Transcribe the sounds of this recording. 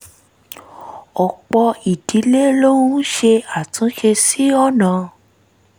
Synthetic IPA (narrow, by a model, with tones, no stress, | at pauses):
ɔ˨k͡pɔ˧i˨di˨˦le˦lo˦wu˦ũ˦ʃe˧a˦˨tũ˨˦ʃe˧si˦ɔ˦˨nã˨